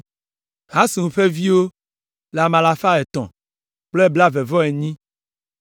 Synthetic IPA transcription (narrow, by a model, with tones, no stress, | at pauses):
ɦã˦si˨wũ˨ɸe˦vi˦wo˦ | la˨mã˨la˨fa˦ɛ˨t̪ɔ̰̃˨ | k͡ple˦bla˦ve˨vɔ˦e˨ɲĩ˦